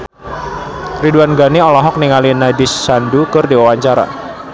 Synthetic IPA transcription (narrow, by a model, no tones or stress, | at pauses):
riduanɡaniɔlɔɦɔk̚niŋalinadisːandukɨrdiwawaɲt͡ʃaɾa̰